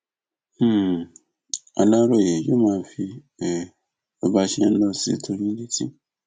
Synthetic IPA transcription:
a̰˨lã˦ɾo˦˨e˨jo˦mãː˦˨fi˧˨ | o˨ba˧ʃɛ˧˦n̩˦lɔ˧sḭ˦tʰo˧ɲĩ˦di˦tḭ˦

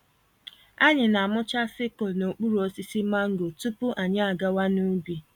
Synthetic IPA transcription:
a˦ɲɪ˨na˨a˨mʊ˦t͡ʃa˦sɪ˦ko˨no˨k͡pu˦ɾu˨o˦si˦si˦ma˦ŋ̩˦ɡo˨tu˦pʊ˦ʔa˨ɲa˦a˨ɡa˦wa˦nu˦bi˨

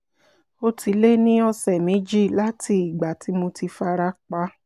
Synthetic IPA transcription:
o˧tʰi˨˦le˦nĩ˦ɔ˧sɛ˨mẽ˨˦d͡ʒi˦˨la˨˦ti˧˨i˨ɡ͡ba˨˦ti˨˦mo˧ti˧fa˧ɾa˦k͡pa˦

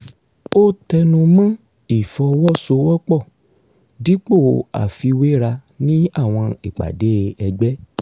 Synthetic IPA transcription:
o˦tɛ˧nũ˧mã˦ | i˨fɔ˧wɔ˦so˧˦wɔ˦k͡pɔ˦˨ | di˨˦k͡po˦˨a̰˨fi˧we˦ɾa˧ | nĩ˦a˦˨w̃ɔ̃˧i˦˨k͡pa̰˨de˨˦˧ɛ˧ɡ͡bɛ˦

